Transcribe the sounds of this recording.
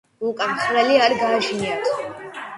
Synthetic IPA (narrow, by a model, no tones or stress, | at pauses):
ukʼamχɾɛliaɾɡaːʒniat̪ʰ